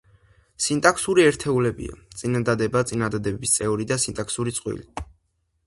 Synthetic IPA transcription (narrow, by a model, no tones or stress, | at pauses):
sint̪ʼaksuɾiɛɾt̪ʰɛulɛbḭa̰t̪sʼinad̪ad̪ɛbat̪sʼinad̪ad̪ɛbɛbist̪sʼɛuɾid̪asint̪ʼaksuɾit̪sʼqʼwḭli